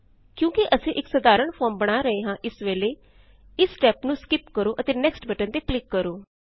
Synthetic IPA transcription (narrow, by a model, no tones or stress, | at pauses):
kjõːkɪʔəsẽːʔɪksəd̪aːɾəɳpʰɔːɾmbəɽ̃aːɾəeːɦãːʔɪsʋeːleː | ɪsʈɛːpnũːskɪpkəɾoːʔət̪eːnɛːksʈbɛːʈənt̪eːplɪkːəɾoː